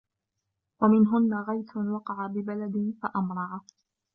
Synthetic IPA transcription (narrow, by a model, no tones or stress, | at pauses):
wamɪnɦʊnːaɣajt̪ʊwɑqɑʕabɪbalad̪ɪnfaʔamɾˤɑʕa